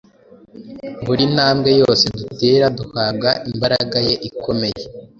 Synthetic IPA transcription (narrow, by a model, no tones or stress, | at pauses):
βuɾinaːmɡe̞jo̞ːse̞dute̞ːɾaduhab̚ɡaʔimbaɾaɡaje̞ʔikʰo̞me̞je